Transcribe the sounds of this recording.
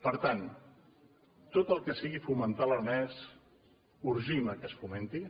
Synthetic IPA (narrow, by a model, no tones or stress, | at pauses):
pəɾt̪an | t̪ot̪əlˠkəsiɣifumənt̪aləɾnɛs | uɾʒiməkəsfument̪i